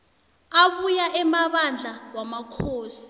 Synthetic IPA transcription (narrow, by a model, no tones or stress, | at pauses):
aɓujaʔɛmaɓand͡ɮʱawamakʰoːsi̥